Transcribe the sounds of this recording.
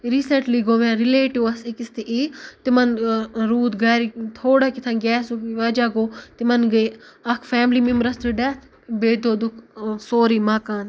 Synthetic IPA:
ɾisɐʈliɡoːmɛ̃ːɾileːʈiʋɐsikist̪iʔit̪imɐnɾuːt̪ɡɐɾit̪ʰoːɽakit̪ʰɐ̃nɡɛːsuʋɐd͡ʒaɡoːt̪imɐnɡɐɐkʰfɛːmlimimɾɐst̪ɾɨɖɐt̪ʰ | beːd̪oːd̪ukʰsoːɾimakaːn

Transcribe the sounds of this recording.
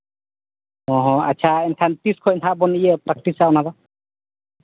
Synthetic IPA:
ɔɦɔ̃atːt͡ʃʰaɛntʰantiskʰɔɛntʰabɔnijɛpɾak̚ʈisaɔnaza

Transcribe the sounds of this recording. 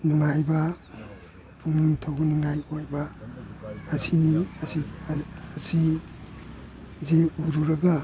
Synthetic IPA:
nuŋajbɐ | pʰuŋtʰawnuŋajojbɐː | siniɐsiː | si | zeuɾuɾɐɡɐ

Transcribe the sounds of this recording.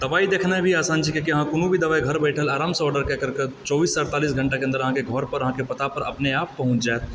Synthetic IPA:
d̪̥ɐʋaːid̪eːkʰnaɦɛbʱiaːsãːnt͡ʃikekiɦãkʊnũbʱid̪ɐʋaːiɡʱɐɾbɛɪʈʰəlaːɾaːmsɔːɾɖəɾkɛkəɾket͡ʃɔːbiːsːəɾt̪aːlisɡʱə̃ɳʈakeə̃nd̪əɾɐɦãkeɡʱɔːɾpəɾɐɦãkepɐt̪apəɾɐpneaːpːɐɦʊ̃t͡ʃd͡ʒaet̪

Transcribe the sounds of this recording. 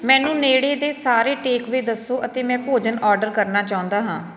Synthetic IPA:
mɛ̃ːnũːneːɽeːd̪eːsaːɾeːʈeːkʋiːd̪əsːoːʔət̪eːmɛ̃ːpoːd͡ʒənɔːɾɖəɾkəɾnaːt͡ʃaːʊ̃nd̪aːɦãː

